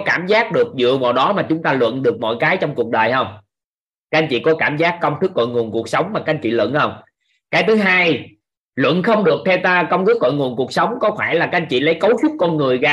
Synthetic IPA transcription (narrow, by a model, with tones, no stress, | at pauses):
kaː˧˩mzaː˦˥k̚ɗɨ˨˩ək̚zɨ̰˧˨əvaː˨˩wɗɔ˨˦maː˨˩t͡ɕʊ˨˦ŋ͡mt̪aː˧lwə̰˧˨nɗɨ˨˩ək̚mɔ̰˧˨jkaː˨˦jt͡ɕɔ˧wŋ͡mku˨˩ək̚ɗəː˨˩jhə˧wŋ͡m | ka˨˦jŋ̟t͡ɕḭ˧˨kɔ˨˦kaː˧˩mzaː˦˥kːə˧wŋ͡mt̪ʰɨ˦˥k̚ːo̰˧˨jŋu˨˩ənku˨˩ək̚sə˨˦wŋ͡mmaː˨˩ka˨˧˦jt͡ɕḭ˧˨lwə̰˧˨nhə˧wŋ͡m | kaː˨˦jt̪ʰɨ˨˦ɦaː˧j | lwə̰˧˨nxə˧wŋ͡mɗɨ˨˩ək̚t̪ʰɛ˧wt̪aː˧kə˧wŋ͡mt̪ʰɨ˦˥k̚ːo̰˧˨jŋu˨˩ənku˨˩ək̚sə˨˦wŋ͡mkɔ˨˦xaː˧˩jlaː˨˩ka˧jŋ̟t͡ɕḭ˧˨lə˨˦jkə˨˦wsʊ˦˥t̚kɔ˧nŋɨ˨˩əjɣaː˧